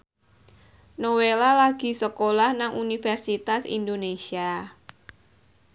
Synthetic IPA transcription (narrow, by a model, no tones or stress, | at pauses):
nowelalaɡ̥i̤səkolahnaŋunifɛrsit̪asḭnd̪onesia